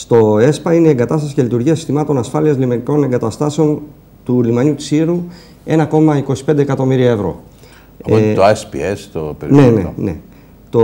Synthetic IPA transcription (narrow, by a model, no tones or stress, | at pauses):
st̪o̞e̞spɐine̞ie̞ŋɡɐt̪ɐst̪ɐsi̥celit̪uɾʝiɐsi̥st̪imɐt̪o̞nɐsfɐliɐzlimɐnko̞ne̞ŋɡɐt̪ɐst̪ɐseo̞n | t̪ulimɐɲut̪i̥siɾu | e̞nɐko̞mɐiko̞si̥p̪d̪ekɐt̪o̞miɾiɐevɾo̞̰ | ɐot̪ospḭest̪o̰peɾnenḛne̞̰ | t̪o